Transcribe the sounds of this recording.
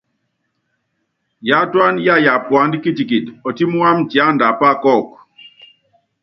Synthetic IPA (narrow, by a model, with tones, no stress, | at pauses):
ja˦twa˦nja˦˨ja˨pwa˨˦ndi˦ki˦ti˨ki˨tɔ˨ti˦mu˦a˦mti˨a˦nda˨pa˦kɔ˦˨k